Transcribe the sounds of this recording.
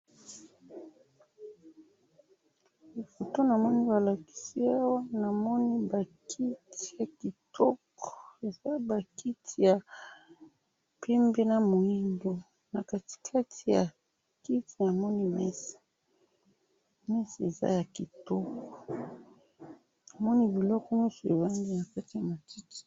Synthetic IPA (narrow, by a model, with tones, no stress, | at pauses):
li˨fo˨to˦na˨mɔ˦ni˦ba˨la˨ki̥˦si˦a˦wa˦na˨mɔ˦ni˦ba˨kʰi˦ti̥˨ja˨ki˨tʰɔ˦kɔ̥˨e˨za˦ba˨ki˦tʰi˨ja˨ | pʰɛ˦mbe˦na˨mo˨i˦ndo˨ | na˨ka˨ti̥˨kʰa˦tʰi˨ja̰˨ | ki˦ti˨˦na˨mɔ˦ni˦mɛ˦si̥˨ | mɛ˦si˨e˨za̰˦ja˨ki˨tɔ˦kɔ˨ | na˨mɔ˦ni˦bi˨lɔ˦kɔ˦mi˦su˨e˨ba˦nɡi˦na˨ka˦ti˨ja˨ma˨ti˦ki̥˨